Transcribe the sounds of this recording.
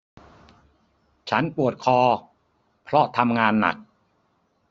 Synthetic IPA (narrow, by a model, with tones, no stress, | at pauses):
t͡ɕʰa˦˥npu˨˩ət̪̚kʰɔː˧ | pʰɾɔ˦˥t̪ʰa˧mŋaː˧nːa̰˨˩k̚